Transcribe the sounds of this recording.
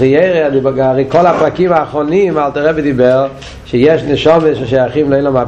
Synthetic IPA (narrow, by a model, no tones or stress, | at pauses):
ijeɪɾeadibɡaʁeɪkɔlˠapʁakimaːχɾɔnimalˠtəɾɛbɪdibɛɾ | ʃejɛʃnəʃɔməʃɪʃajaχimlˠeɪlˠama